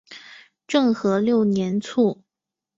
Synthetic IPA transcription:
ʈ͡ʂɤ˥˩ŋxɤ˧˥ljo˥˩ʊnjɛ˧˥nt͡sʰu˥˩

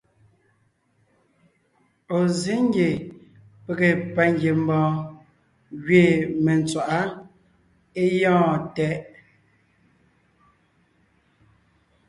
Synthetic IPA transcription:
o˨zi˨˦ŋ˦ɡje˨ | pe˨ɣe˨pa˨ŋɡje˨m˦bɔ̃ː˨ | ɣɥe˨me˨n˨t͡swa˨ʔa˦ | e˦jɔ̃ː˦˨tɛ˨˦ʔ

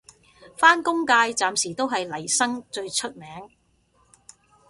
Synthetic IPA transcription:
faː˥nkʊ˥ŋkaː˧jt͡saː˨msiː˨˩t̪o˥wɦɐ˨jlɐ˨˩jsɐ˥ŋt͡ʃɵ˧ɥt͡ʃʰɵ˥t̚mɛː˨˥ŋ

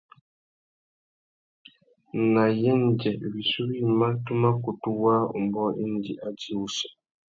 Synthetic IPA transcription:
na˨jɛ˦n˨d͡ʒɛ˨wi˨su˦wi˦ma˦tu˦ma˦ku˨tu˦waː˦ṵ˨mbɔ˦ʔḭ˦n˦d͡ʒi˨ʔa˦d͡ʒi˦u˨sɔ˨

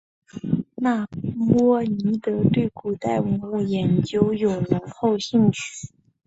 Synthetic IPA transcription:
na˥˩mwɔ˥ni˧˥t̪ɤ˧˥t̪we˥˩ɪku˨˩t̪a˥˩ɪwə˧˥ŋlu˥˩jɛ˧˥nt͡ɕjo˥ʊjo˨˩ʊɻə˧˥nxo˥˧ʊɕi˥˧ŋt͡ɕʰy̥˥˩˦

